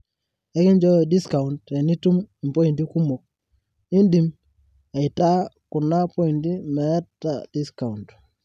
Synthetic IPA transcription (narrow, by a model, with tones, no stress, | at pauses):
ɛ˦kɪ˦ɲd͡ʒɔ˦˨di˦ska˨u˨ntɛ˨ni˦tu˦mi˨mpo˦i˨ndi˦ku˦mo˨k̚ | i˦ndi˦m | ɛ˨ɪ˨ta˦kʊ˨na˦pɔ˦i˨ndi˦mɛ˨˦tːa̰˨d̥i˦ska˨unt